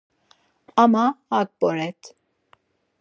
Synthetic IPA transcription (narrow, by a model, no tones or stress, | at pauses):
amaak̚bɔɾɛt̪ʰ